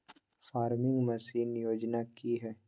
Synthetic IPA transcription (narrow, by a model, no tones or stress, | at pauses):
faːɾmɪ̃ŋɡmɐsiːnjoːd͡ʒnakiɦɛː